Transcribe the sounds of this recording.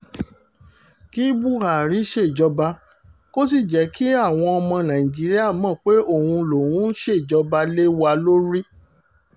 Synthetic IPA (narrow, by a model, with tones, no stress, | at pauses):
ki˦bu˦˨ɾa˨ɾi˦ʃe˦˨d͡ʒɔ˧ba˧ | ko˦s̬i˦˨d͡ʒɛ˨˦kʰi˦a˦˨w̃ɔ̃˧ɔ˧mɔ̃˧nã˨ĩ˨d͡ʒi˨˦ɾi˦a˦˨mɔ̃˦˨k͡pe˦o˦˨hũ˧lo˨wũ˦n˦ʃe˦˨d͡ʒɔ˧ba˧le˦wa˧lo˦ɾi˦